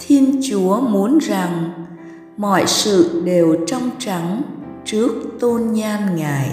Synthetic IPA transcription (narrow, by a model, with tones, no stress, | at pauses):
t̪ʰi˧ənt͡ɕu˨˦əmu˨˦ənza˨˩ŋ | mɔ̰˧˨jsɨ̰˧˨ɗe˨˩wt͡ɕɔ˧wŋ͡mt͡ɕa˨˩˦ŋt͡ɕɨ˦˥ək̚t̪o˧nɲaː˧nŋaː˨˩j